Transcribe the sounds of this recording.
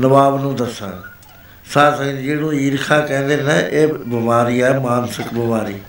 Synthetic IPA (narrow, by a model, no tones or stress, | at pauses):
nəʋaːbnũːd̪əsã̰ː | saːt̪ːd͡ʒeːɽũːiːɾkʰaːkɛ̃ːnd̪eːnẽːʔeːbəmaːɾiːɛːmaːnsɪkbəmaːɾiː